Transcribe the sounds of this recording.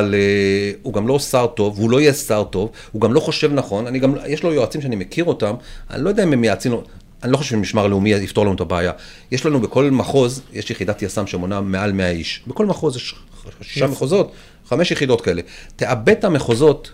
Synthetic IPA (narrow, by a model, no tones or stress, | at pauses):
aleuɡamlo̞saʁto̞vulo̞ijesaʁto̞v | huɡamlo̞χo̞ʃe̞vnaχo̞naniɡamjeʃlo̞joat͡simʃeanimekʰiʁo̞tama̰nilojd̪aimemjaːt͡sino | anilo̞χoʃefʃemiʃmaʁleumiift̪o̞lanutabeːja | jeʃlanubeko̞lmaχo̞zjeʃjeχid̪atjasamʃemo̞name̞almeaiʃbeko̞lmaχo̞zjeʃ | ʃi̥ʃameχozo̞t̪ | χameʃjeχid̪o̞tkae̞le̞te̞ʔabe̞tameχo̞zo̞t